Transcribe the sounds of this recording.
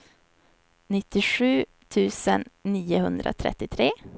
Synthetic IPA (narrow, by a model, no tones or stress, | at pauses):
nɪt̪ːɪɧʉ̟ː | t̪ʰʉ̟ːsənːiːʊhɵnd̪ɾa̰t̪ʰɾɛ̰t̪ːɪt̪ʰɾeː